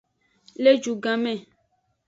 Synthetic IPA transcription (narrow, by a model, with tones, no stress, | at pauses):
le˦d͡ʒu˨ɡã˨mɛ̃˦˨